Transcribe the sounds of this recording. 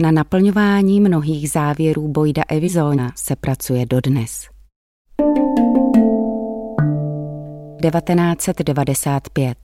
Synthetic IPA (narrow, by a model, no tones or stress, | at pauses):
nanapl̩ɲo̞vaːɲiːmno̞ɦiːɣzaːvjɛɾuːbo̞jda̰ʔɛvɪzoːasɛpɾʔat͡sujɛdo̞dnɛs | dɛvat̪ɛnaːt͡sɛd̪dɛvadɛsaːt̪pjɛt̪̚